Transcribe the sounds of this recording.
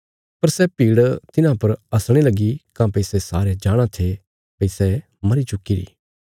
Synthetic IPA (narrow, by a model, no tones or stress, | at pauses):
pɐɾsɛpiːɽt̪ɪnãpɐɾɐsɽ̃elɐɡikãpɐɪsɛsaːɾed͡ʒaːɽ̃ãt̪ʰe | pɐɪsɛ | mɐɾit͡ʃʊkːiɾḭː